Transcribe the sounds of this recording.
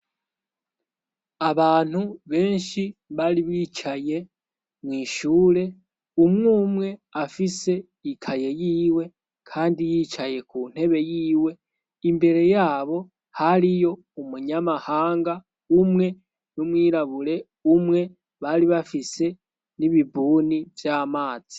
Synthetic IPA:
aβaːn̥uβe̞ːnʃiβaɾiβit͡ʃaje̞ | mwiːʃuːɾe̞ | umŋuːmŋe̞afise̞ | ikʰaje̞jiːwe̞ | kʰaːndijiːt͡ʃaje̞kun̥e̞βe̞jiːwe̞ | imbe̞ɾe̞jaːβo̞ | haɾijo̞ | umuɲamahaːŋɡa | umŋe̞ | numwiːɾaβuɾe̞ | umŋe̞ | βaɾiβafise̞ | niβibuːnivjaːmaːz̥i̥

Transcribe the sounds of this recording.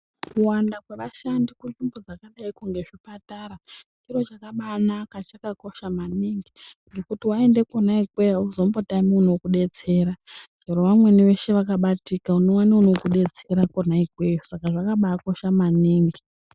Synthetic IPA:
kuwandakweʋaʃandikunʐimbod͡zakaɗaikuŋɡe̞ʐipataɾat͡ʃiɾo̞t͡ʃakaɓaːnakat͡ʃakako̞ʃamaniŋɡiŋɡe̞kutiwae̞nde̞ko̞naiɡweozo̞mbotamiuno̞kuɗe̞t͡se̞ːɾad͡ʒeɾoʋamwe̞niʋe̞ʃe̞ʋakaɓatikauno̞waniuno̞kuɗe̞t͡se̞ɾakonaiɡʱwe̞usakaʐakaɓaːko̞ʃamaniːŋɡi

